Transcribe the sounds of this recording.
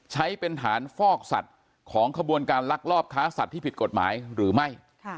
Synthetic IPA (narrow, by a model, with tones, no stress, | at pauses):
t͡ɕʰa˦˥jpe˧nɦaː˩˦nfɔː˥˩k̚sa̰˨˩t̪̚ | kʰɔː˩˦ŋkʰa˧bu˧ənkaː˧nla˦˥k̚lɔː˥˩p̚kʰaː˦˥sa˨˩t̪ʰːiː˥˩pi˨˩t̪̚ko˨˩t̪̚ma̰ː˩˦jɾɯː˩˦ma˥˩jʰ